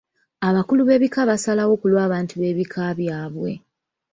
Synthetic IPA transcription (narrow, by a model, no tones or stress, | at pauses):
aβakuluβe̞ːβikaβasalawo̞kulwaːβaːntuβe̞ːβikʰaβjaːβwe̞